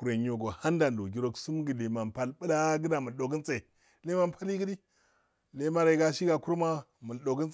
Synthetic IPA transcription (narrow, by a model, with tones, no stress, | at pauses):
ku˨ɾe˨ɲ˦o˨ɡo˨ha˦nda˨ndo˨ɡi˦ɾo˦ksu˦mɡi˨le˨ma˨mpa˨lbə˦la˦ɡə˦da˨mə˨lɗo˨ɡə˦nt͡se˨i˨ | le˦ma˦mpʰa˦li˦ɡə˦di˦ | le˦ma˦ɾe˨ɡa˦ʃi˦ɡa˨ku˦ɾma˦mu˨lɗo˨ɡə˦n